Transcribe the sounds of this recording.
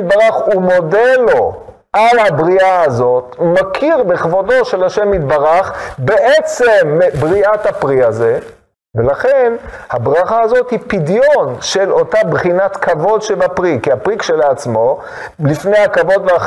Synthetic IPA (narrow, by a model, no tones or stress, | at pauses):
tbaʁaχumo̞delo̞ | ʔalhabʁiaːzo̞t̪makʰiʁbeχvodo̞ʃe̞laʃemit̪baʁaχbeʔet͡se̞mːbʁiathapʁiaze̞ | velaχenhabʁaχaːzo̞t̪hipidjo̞nʃe̞lo̞tabχinatkʰavo̞dʃebapʁikiapʁikʃelaːt͡smo̞ | lifne̞jakavo̞dvea